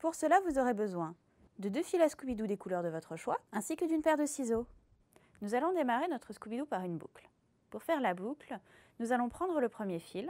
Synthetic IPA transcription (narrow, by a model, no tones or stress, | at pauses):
puʁsəlavuzɔʁebəzwɛ̃ | d̪əd̪øfilaskubid̪ud̪ekulœʁd̪əvɔt̪χəʃwaɛ̃sikəd̪ynpɛʁd̪əsizo | nuzalɔ̃d̪emaʁenɔt̪χəskubid̪upaʁynbṵkl | puʁfɛʁlabukl | nuzalɔ̃pχɑ̃d̪ʁələpχəmjefil